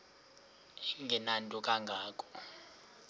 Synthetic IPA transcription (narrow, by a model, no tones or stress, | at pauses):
ŋɡʱɛnantʼɔkʼaŋɡʱaːkʰʼɔ̥